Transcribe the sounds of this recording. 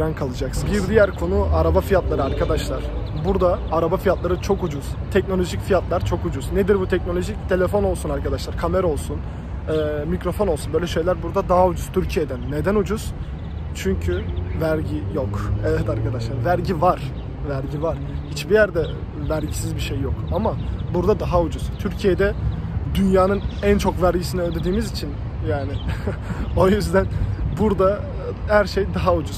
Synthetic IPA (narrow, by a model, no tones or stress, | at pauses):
ɾankʰalˠɯd͡ʒaksbiɾd̪ijæɾkʰo̞nuʔaɾabafijat̪lˠaɾɯaɾkʰad̪aʃlˠaɾ̥ | buɾd̪aːɾabafijat̪lˠaɾɯt͡ʃʰo̞kud͡ʒuz̥t̪ʰɛc̚nolʲo̞ʒicfijat̪lˠaɾt͡ʃʰo̞kud͡ʒuzned̪iɾbut̪ʰɛc̚no̞lʲo̞ʒict̪ʰe̞lʲe̞fo̞no̞lˠsunaɾkʰad̪aʃlˠaɾkʰameɾo̞lˠsun | ɛːmicɾo̞fono̞lˠsunbø̞jlʲɛʃe̞jlʲæɾbuɾd̪ad̪aɦaud͡ʒuz̥t̪ʰyɾcʰijed̪ænːe̞d̪ænud͡ʒuz̥ | t͡ʃʰyɲcʰyvæɾɟijokevɛt̪aɾkʰad̪aʃlˠaɾvæɾɟivaɾ̥ | væɾɟivaɾ̥hit͡ʃbijæɾd̪ɛ | væɾɟisizbiʃejːokamabuɾd̪ad̪aɦaud͡ʒuzt̪ʰyɾcʰije̞d̪ɛ | d̪ynjaːnɯnænt͡ʃʰo̞kvæɾɟisiniøld̪e̞d̪iːmizit͡ʃʰin | jaːnɪ | o̞jyzd̪ænbuɾd̪a | hæɾʃejd̪aɦaud͡ʒuz̥